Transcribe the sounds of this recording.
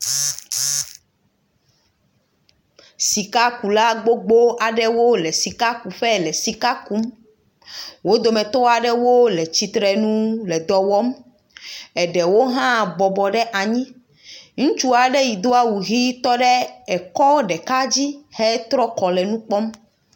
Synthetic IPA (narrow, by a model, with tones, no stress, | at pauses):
si˨ka˦ku˨la˦ɡ͡bo˦ɡ͡bo˦ʔa˨ɖɛ˦wo˦lɛ˨si˨ka˦ku˨ɸɛ˦lɛ˨si˨ka˦ku˦m | wo˦d̪o˨mɛ̃˨t̪o˦a˨ɖɛ˦wo˦lɛ˨t͡ɕi˨t̪ɾɛ˨nũ˦lɛ˨d̪ɔ˨wɔ˦m | ɛ˨ɖɛ˨wo˦ɦã˦bɔ˨bɔ˨ɖɛ˦ʔa˨ɲĩ˦ | ŋũ˦t͡ʃu˦a˨ɖɛ˦ji˨d̪o˦a˦wu˨ɣi˦t̪ɔ˦ɖɛ˦ɛ˨kɔ˦ɖɛ˨ka˦d͡ʑi˦hɛ˦t̪ɾɔ˦kɔ˨lɛ˨nũ˦k͡pɔ˦m